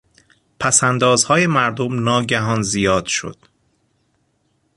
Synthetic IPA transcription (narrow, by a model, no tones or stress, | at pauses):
pʰæsænd̪ɒːzhɒːje̞mæɾd̪omnɒːɟæɦɒːnzijɒːd̪̥ʃo̰d̪̥